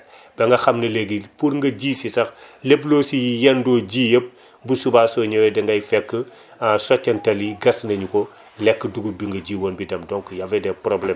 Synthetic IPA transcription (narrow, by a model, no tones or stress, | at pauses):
b̥ɛŋɡɐxɐmnɐleɡipuɾŋɡɐɟiːsisɐxleploːsijijɛndoɟiːjəp̚ | busubaːsoɲowɛdɛŋɡɐjfɛkːə | asɔcːɐntɐliɡɐsnɐɲuko | lɛkːduɡubiŋɡɐɟiːwoːnbidɐmdɔŋkjɐvɛdɛpɾoblɛm